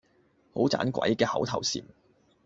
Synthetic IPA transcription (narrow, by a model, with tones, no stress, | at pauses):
ho˨˥wt͡sa̰ː˨˥nkʷɐ̰˨˧˥jkɛː˧hɐ˨˥wt̪ʰɐ˨˩wsḭː˨˩n